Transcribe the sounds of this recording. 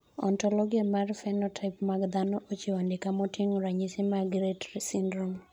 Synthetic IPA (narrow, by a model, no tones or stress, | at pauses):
ɔ̰ntɔlɔɡiamarfɛnɔtʰaɪpmaɡd̪anɔʔot͡ʃiwandɪkamɔtiŋoɾaɲisimaɡɾetɾisindɾom